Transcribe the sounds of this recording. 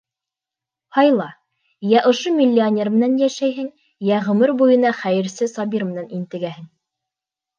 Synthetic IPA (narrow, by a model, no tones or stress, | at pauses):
hɑjlˠɑ | jæʔŏʃomʲilʲːionʲe̞rmɘ̆nænjæʃæjɦɘŋ | jæʁɵ̆mɘɾbujɤ̆nɑχæjɘ̆ɾsɘsɑbʲiɾmɘ̆nænint̪ɘ̆ɡæhɘŋ